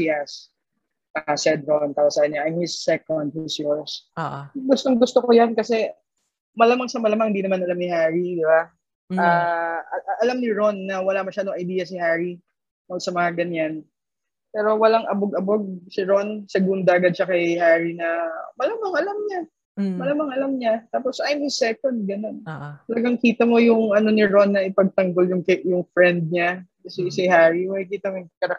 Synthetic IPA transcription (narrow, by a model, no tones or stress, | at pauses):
iɐs | ʔasɛd̪ɾont̪aposɐkɐɲːaʔɪnhɪsːɛkond̪̚hɪsjɔɹs | ɡʊst̪oŋɡʊst̪okojankɐsɛ | mɐlamɐŋsɐmɐlamɐŋhɪnd̪iːnɐmanʔɐlamnɪhaːɹid̪ɪba | aːɐʔʔɐlamnɪɹo̞nːɐwɐlamɐʃaːd̪oŋʔɐjd̪iːjɐsɪhaːɹi | mɐɡsɐmɐŋaɡɐɲan | pɛːɾo̞wɐlaŋʔɐboɡɐboɡ̚sɪɹo̞nsɛɡund̪ɐʔɐɡad̪̚ʃɐkɐjhaɹinɐmɐlamɐŋɐlamɲa | mɐlamɐŋɐlamɲat̪aːpo̞sʔajmɪsɛːkond̪̚ɡɐno̞nt̪ɐlɐɡaŋkiːt̪ɐmo̞jʊŋʔɐno̞nɪɹo̞nːɐʔɪpɐɡ̚t̪ɐŋɡo̞ljʊŋkɐjʊŋfɹɛnd̪̚ɲa | ɐsisɪhaɹimɐkɪkiːt̪ɐmojŋkɐɾɐ